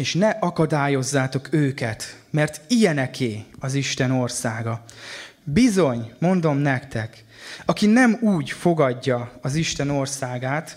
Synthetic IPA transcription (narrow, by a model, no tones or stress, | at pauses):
eːʃnɛʔɒkɒd̪aːjo̞zːaːt̪o̞køːkɛt̪ | mɛrt̪ijɛnɛkʰeːɒziʃt̪ɛno̞rsaːɡɒ | bizo̞ɲmo̞nd̪o̞mnɛkt̪ɛk | ɒkinɛmuːɟfo̞ɡɒɟːɒɒziʃt̪ɛno̞rsaːɡaːt̪